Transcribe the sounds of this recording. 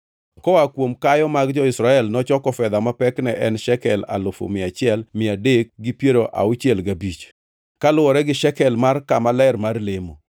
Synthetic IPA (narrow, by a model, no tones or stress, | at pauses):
kɔakwomkajɔmaɡd͡ʒɔɪsɾaɛlnɔt͡ʃɔkɔfɛd̪amapɛknɛʔɛnʃɛkɛla̰lʊfo̰mɪat͡ʃɪɛlmɪadek̚ɡɪpjeɾoʔa̰ʊt͡ʃjɛlɡabit͡ʃ | kalʊwɔɾɛɡɪʃɛkɛlmarkamalɛrmarlemo̰